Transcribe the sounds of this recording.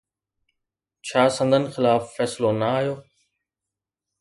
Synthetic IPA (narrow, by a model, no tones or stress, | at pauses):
t͡ɕʰaːsə̃nd̪ʱənɪ̆xɪlaːfːɛːslonɐaːɦijoː